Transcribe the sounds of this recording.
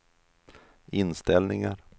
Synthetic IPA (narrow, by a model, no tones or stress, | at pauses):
ɪnst̪ɛlnɪŋaɾ